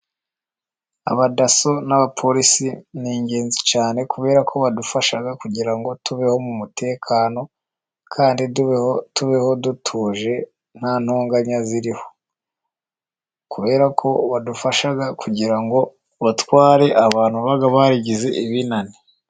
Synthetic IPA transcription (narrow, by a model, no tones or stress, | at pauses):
a̰βadaso̞naβapʰo̞ɾisiniːɲɟe̞ːnzit͡ʃaːne̞kuβe̞ːɾakʰo̞βadufaʃaɡakuɟiɾaŋɡo̞tuβe̞ho̞mumute̞ːkʰaːno̞ | kʰaːndidtuβe̞ho̞dutʰuːʒe̞ | n̥haːnhoːŋɡaɲaziɾiho̞ | kuβe̞ːɾakʰo̞βadufaʃaɡakuɟiɾaŋɡo̞ | βatwaːɾe̞ʔaβaːn̥huβaɡaβaɾiɟize̞ʔiβinani